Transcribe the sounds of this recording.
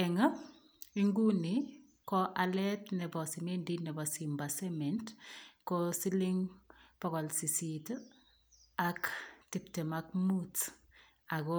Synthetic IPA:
ɛŋə | iŋɡuni | kɔʔalɛtnɛbɔsimendinɛbɔsimbasɛmɛntkɔsiliŋpɔɣɔlsisit | aktiptemakmut | aɡɔ

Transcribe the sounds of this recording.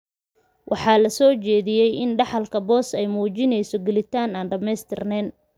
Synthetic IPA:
wʔɑħɑːlɐsɔːt͡ʃɛːðɪjɛjɪnɖɑħɑlkʰɐbɔːsɛjmuːt͡ʃɪnɛjsɔɡɛlɪt̪ʰaːnaːnɖɐmɛjst̪ʰɪrnɛːn

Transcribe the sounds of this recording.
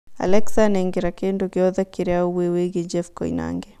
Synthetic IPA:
a̰lɛksanɛŋɡiɾakendokiɔðakiɾɛauwiwiɣid͡ʒɛfkɔ̰ina̰ŋɡɛ

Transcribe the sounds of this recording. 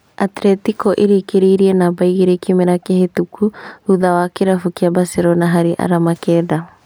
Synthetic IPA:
atɾɛtikɔʔeɾikeɾiɾiɛnabaiɣiɾɛkimeɾakjahetukʰuhuðawakeɾafukjabaseɾɔnaɦaɾiʔa̰ɾamakɛːða

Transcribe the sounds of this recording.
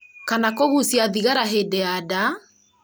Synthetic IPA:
kanakoɣusiaðiɣaɾaɦedɛada

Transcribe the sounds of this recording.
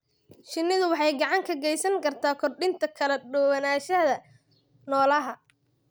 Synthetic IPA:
ʃɪnːɪðʊwɑħɑjɡɑʕɑŋkʰɐɡɛjsɐŋkʰɐrt̪ʰaːkʰɔrɗɪnt̪ʰɐkʰɐlɛɖɔwɐnaːʃɐðɐ | nɔːlɐɦɐ

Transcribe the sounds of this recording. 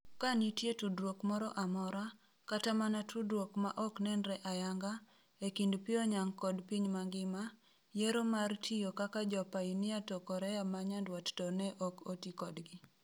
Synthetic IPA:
kanitjetudɾwokmɔɾɔʔamɔɾa | katamanatudɾwokma̰ʔɔknɛnɾɛʔajaŋɡa | ekindpɪɔɲaŋkɔdpiɲmaŋɡɪma | jeɾomartʰijokakad͡ʒɔpainɪatɔkɔɾɛamaɲandwattɔnɛʔɔkotikɔdɡɪ

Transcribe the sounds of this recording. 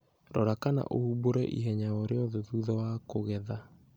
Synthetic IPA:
ɾɔɾakana̰ʔohuboɾɛʔḭɦɛɲaɔɾeɔðoðuðɔwakoɣɛða

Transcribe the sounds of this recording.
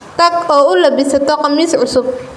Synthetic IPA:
t̪ɐɡɔːʊlɐbɪsɐt̪ʰɔqɑmiːsʕʊsʊb̚

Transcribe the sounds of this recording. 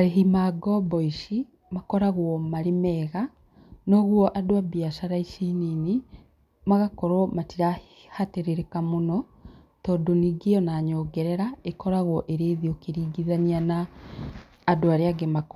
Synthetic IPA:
aɾeɦimaɡɔbɔiʃi | makɔɾaɣwɔmaɾemɛɣa | noɣwɔʔadoabjaʃaɾaiʃiːnini | maɣakɔɾɔmatiɾa | hateɾeɾekamonɔ | tɔdoniɡeɔnaːɲɔːɡɛɾɛɾaekɔɾaɣwɔʔeɾeːðiokeɾiːɡiðanianaː | doaɾeaɡemak

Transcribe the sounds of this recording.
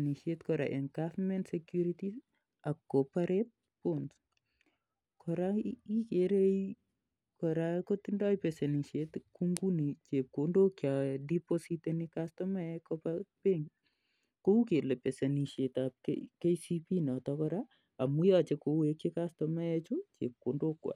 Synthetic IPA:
niʃetkɔɾa̰ʔɛŋkafmɛntsɛkjuɾiti | akːopaɾet̚ | pons | kʰɔɾaikeɾej | kɔɾakot̪indɔjpɛsɐniʃet̪kuŋɡunit͡ʃep̚kondokjadipositenikastɔmajɛkɔpapeŋ | koukelɛpɛseniʃetap̚kḛkejsipinɔtɔkɔɾa | amujat͡ʃekowekjekastɔmajɛt͡ʃut͡ʃḛp̚kondokwa̰

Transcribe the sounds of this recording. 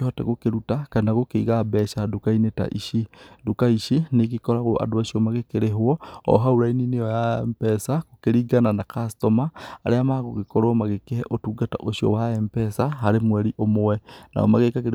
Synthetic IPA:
eɔtɛ̰ɣokeɾutakanaɣokeiɣabɛʃadukaineta̰ʔḭʃidukaiʃinekikɔɾaɣoa̰doaʃiɔmaɣekeɾeɦwɔɔ̰ɦauɾaininejɔjaɛmpɛsakokeɾiːɡananakastɔmaːɾeamaɣoɣekɔɾomaɣekehɛʔotuːɡata̰ʔoʃiɔ̰waɛmpɛsaɦaɾemwɛɾiʔomowɛna̰ɔ̰maɣekakeɾ

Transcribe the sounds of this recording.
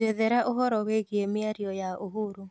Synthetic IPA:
eðɛɾaʔoɦɔɾɔweɣiemɪaɾiɔjaʔoɦuɾu

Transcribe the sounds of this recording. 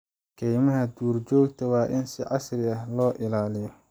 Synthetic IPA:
kʰɛjmɐɦɐd̪uːrd͡ʒɔːɡt̪ʰɐwɑːʔɪnsɪʕɑsrɪɐhlɔːʔɪlaːlɪjɔ

